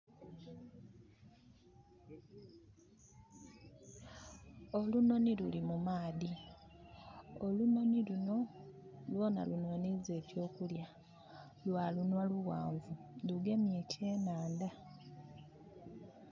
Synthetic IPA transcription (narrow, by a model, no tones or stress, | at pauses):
o̞luno̞nilulimumaːði | oluno̞niluno̞lwo̞ːna̰lunonize̞ːcjo̞ːkulja | lwaːlunwaluwa̰ːɱvuluɡe̞mjetʰe̞ːnaːnda